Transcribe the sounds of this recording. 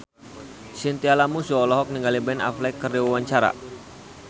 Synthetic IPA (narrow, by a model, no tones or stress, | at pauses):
sint̪ialamusuɔlɔɦɔk̚niŋɡalibɛna̰flɛkːərdiwawaɲt͡ʃaɾa̰